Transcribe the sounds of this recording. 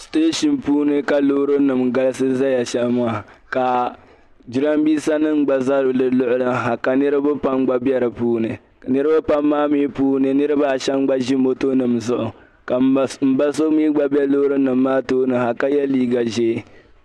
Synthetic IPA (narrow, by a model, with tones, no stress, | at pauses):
steː˦ʃɪ˨npuː˦nɨ˦ka˨lo˦ɾɨ˦nɨ˨mɡa˦lɨ˦sɨ˦za˦ja˨ʃɛ˦lmaː˦˨ka˨ | d͡ʒi˦ɾa˦mbiː˦sa˦nɨ˦ŋ˦ɡ͡ba˨za˦ɾɨ˨lɨ˨lʊ˦ʔʊ˦lɨ˦ɦa˨ka˨nɨ˦ɾɨ˦ba˦pa˦mɡ͡ba˦bɛ˦ɾɨ˨puː˦nɨ˨ | ka˨nɨ˦ɾɨ˦ba˦pa˦mːaː˦mi˦puː˦nɨ˨nɨ˦ɾɨ˦ba˦˨ʃɛ˦mɡ͡ba˦ʒi˦mo˦to˦nɨ˨mzʊ˦ʔʊ˨ | ka˨m̩˨ba˦so˦mi˦ɡ͡ba˦bi˦ɛ˦loː˦ɾɨ˦nɨ˨mːaː˦toː˦nɨ˨ha˨ka˦jɛ˦liː˦ɡa˨ʒeː˦